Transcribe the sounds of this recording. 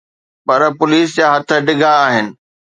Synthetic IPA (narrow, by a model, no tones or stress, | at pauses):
pɐɾpʊliːs̬d͡ʑaːɦɐt̪ʰə̆ɖɪɡʱaːɦɪnɪ̆